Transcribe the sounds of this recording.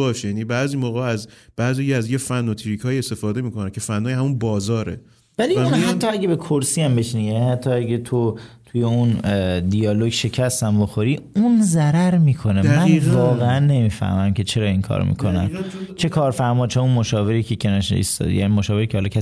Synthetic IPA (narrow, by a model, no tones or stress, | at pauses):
ɒːʃjæːnibæːziːmoːɣeæzb̥æːzjijiæzjefænːɔt̪ʰiɾikʰɒːjiest̪e̞fɒːd̪emiːkonæncʰe̞fænːɔːjhæmunbɒːzɒːɾe | vælinhæt̪ːɒæɟʲebe̞kʰoɾsiæmbe̞ʃinijænnihæt̪ʰːɒæɟet̪ʰot̪ʰujeund̪iɒloɟʃe̞cʰæst̪æmbo̞xo̞ɾiunzæɾæɾmiːkʰo̞nemmænvɒːɣeænːe̞miːfæ̰hmæmkʰe̞t͡ʃʰe̞ɾɒːiŋkʰɒ̰ːɾo̰mḭkʰonæmt͡ʃʰe̞kʰɒːɾfæɾmɒːt͡ʃʰeunmoʃɒːve̞ɾiːcʰecʰenɒʃḭst̪ɒ̰d̪ḭjæ̰nimoʃɒːve̞ɾiːcʰehɒlɒkʰæs